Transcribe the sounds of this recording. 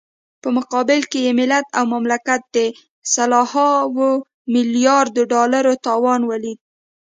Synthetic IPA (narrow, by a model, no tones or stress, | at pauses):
pəmʊqɑbɪlkejemɪlat̪awmamlakat̪̚d̪ə | salɑhɑwo | mɪlijɑɾd̪oɖɑlaɾot̪ɑwɑnwalid̪̚